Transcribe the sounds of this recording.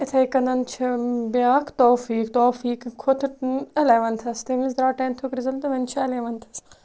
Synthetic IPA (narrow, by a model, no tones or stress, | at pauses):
ɪt̪ʰɐikɐnd̪ɐnt͡ʃʰɐbijaːkt̪oːfiːkt̪oːfiːkkʰːot̪ʰʈnɐlɐːʋɐnt̪ʰɐst̪emisd̪ɾaːʈɐːnt̪ʰukɾɪzɐlt̪ɐʋɐnt͡ʃʰaɐleːʋɐnt̪ʰɐ̥s